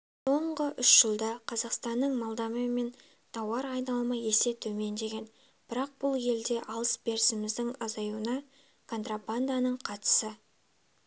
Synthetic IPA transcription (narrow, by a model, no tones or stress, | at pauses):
so̞ɴʁəʔʏʃʒ̥əlˠd̪ɑqʰɑzɑqst̪ɑnːəɴmɑlˠd̪ɑməme̞n | t̪ʰɑwɑɾɑjnɑlˠmɑje̞se̞t̪ʰɵme̞nd̪e̞ɡʲe̞n | b̥ɪɾɑq̚b̥ʊlˠje̞ld̪e̞ʔɑlˠəsbe̞ɾɪsɪmɪzd̪ɪŋɑzɑjuənɑ | kʰo̞nt̪raband̪anəɴqʰɑt̪ə̥sə